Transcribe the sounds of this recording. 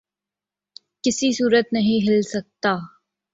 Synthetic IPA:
kɪsisuːɾət̪nɐɦĩɦɪlsɐk̚t̪aː

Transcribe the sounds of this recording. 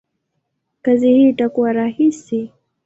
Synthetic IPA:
kazihiʈakuwaɾahisi

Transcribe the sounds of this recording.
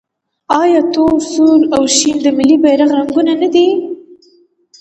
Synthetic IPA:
ɑjɑt̪olsulawʃimd̪əmɪlːibajɾaɣɾaŋɡunanad̪i

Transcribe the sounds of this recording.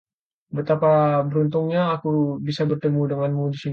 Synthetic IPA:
bət̪apabəɾunt̪ʊŋɲaːkubisabərt̪əmudəŋanmudisi

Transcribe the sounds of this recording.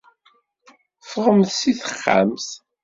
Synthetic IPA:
fʁəmθsiθə̥χːa̰mθ

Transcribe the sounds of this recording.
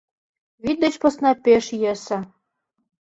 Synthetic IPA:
βid̪ɘ̆t͡ɕpɤ̆snɑpʲeʃjesɘ̆

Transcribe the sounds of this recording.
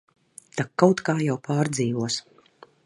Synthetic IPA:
t̪akːawt̪kaːjawpʰaːɾd̪ziːvuɔs

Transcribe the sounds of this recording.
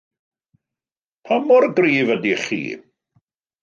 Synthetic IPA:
pʰamɔrɡriːvədiχḭː

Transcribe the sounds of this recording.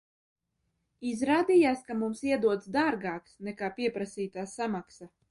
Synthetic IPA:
izɾaːd̪ijaːskamumsiɛd̪uɔt̪sd̪aːɾɡaːksnɛkaːpiɛpɾasiːt̪aːsamaksa

